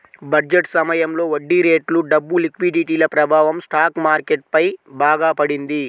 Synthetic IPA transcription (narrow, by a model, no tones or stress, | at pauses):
bɐɾd͡ʒeʈsɐmɐjɐmlo̞ːʋɐɖːiɾe̞ːʈluɖɐbːulikʋiɖiʈiːlɐpɾɐbʱaːʋɐmsʈaːkmaːɾkeʈ̚pɐjbʱaːɡaːpɐɽind̪i